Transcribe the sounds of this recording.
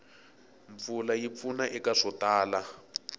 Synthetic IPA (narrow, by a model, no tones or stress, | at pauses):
ɱp̪fulajip̪funaʔɛkaʂɔtaːla